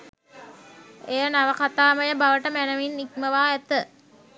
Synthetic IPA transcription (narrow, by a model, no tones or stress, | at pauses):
ejənaʋəkat̪aːməjəbaʋəʈəmænəʋinːikməʋaːɛt̪ə